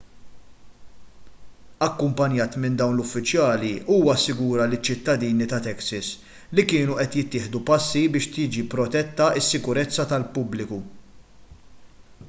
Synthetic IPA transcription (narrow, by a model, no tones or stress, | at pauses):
ɐkːʊmpɐnjɐːt̪mɪnd̪ɐwnlʊfːɪt͡ʃjɐːliʔuːwɐɐsːɪɡuːɾɐlɪt͡ʃːɪt̪ːɐd̪iːnit̪ɐt̪ɛksɐs | likɪːnuʔɛt̪jɪt̪ːɪːħd̪upɐsːibɪːʃt̪ɪːd͡ʒipɾɔt̪ɛt̪ːɐɪsːɪkʊɾɛt͡sːɐt̪ɐlpʊblɪku